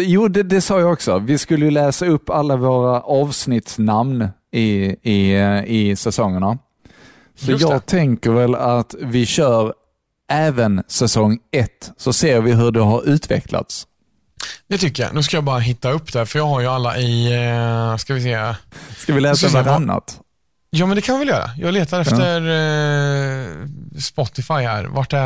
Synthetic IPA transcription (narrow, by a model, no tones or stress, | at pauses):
juːd̪ɛd̪ɛsɑːjɑːɡɔksɔvɪskɵlːəjɵlɛːsaɵpːalːavoːɾaʔɑːvsnɪt̪snamn | ɪɪɪsɛsɔŋːəɳa | sɔjɑːɡt̪ʰɛŋkəɾvɛlat̪vɪɕœːɾ | ɛːvənsɛsɔŋːɛt̪ːsɔseːɾvɪɦɵɖɛɦaɾʉ̟ːt̪vɛ̰kla̰t̪s | d̪̥ɛt̪ʰʏkːəja̰nʉ̟ːs̬kajɑːbɑːɾaɦɪt̪ːaɵpːd̪ɛfœɾjɑːɡɦaɾjɵalːaʔɪ | skavɪs̬eːaskavɪlɛːsavaɾanːa̰t̪ | jɑːmɛnd̪ɛkʰanvɪvɛljœːɾa̰jɑːɡleːt̪aɾɛft̪əɾ | spɔt̪ːɪfajhæ̰ːɾvaʈːɛ